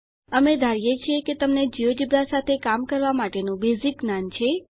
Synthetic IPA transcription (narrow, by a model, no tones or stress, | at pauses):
əmed̪ʱaɾjet͡ʃʰeket̪əmned͡ʒiʋəd͡ʒibɾasat̪ʰekamkəɾʋamaʈenũbeziknant͡ʃʰe